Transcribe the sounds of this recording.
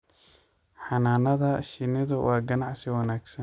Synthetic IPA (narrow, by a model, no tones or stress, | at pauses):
ħɑnaːnɐðɐʃɪnɪðʊwʔɑːɡɐnɑʕsɪwɑnaːɡsɐn